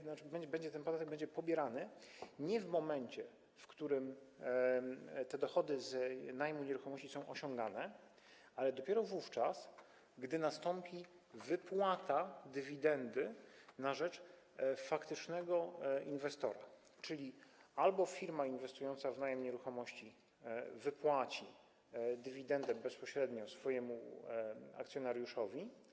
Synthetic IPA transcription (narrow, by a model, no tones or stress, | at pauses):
abɛɲd͡ʑbɛɲd͡ʑɛt̪ɛnpɔd̪at̪ɛɡ̚bɛɲd͡ʑɛpɔbʲjɛɾanɘɲɛvmɔmɛɲt͡ɕɛ | fkt̪uɾɘm | t̪ɛd̪ɔxɔd̪ɘznajmuɲɛɾuxɔmɔɕt͡ɕisɔ̃w̃ʔɔɕɔ̃ŋɡanɛ | alɛd̪ɔpʲjɛɾɔvuft͡ʂas | ɡd̪ɘnast̪ɔmpʲi | vɘpwat̪ad̪ɘvʲid̪ɛnd̪ɘnaʐɛt͡ʂ | fakt̪ɘt͡ʂnɛɡɔinvɛst̪ɔɾa | t͡ʂɘlʲialbɔfʲiɾmainvɛst̪ujɔnt̪savnajɛmɲɛɾuxɔmɔɕt͡ɕi | vɘpwat͡ɕi | d̪ɘvʲid̪ɛnd̪ɛbɛspɔɕɾɛd̪ɲɔsfɔjɛmṵ | a̰k̚t̪sʲjɔnaɾʲjuʂɔvʲi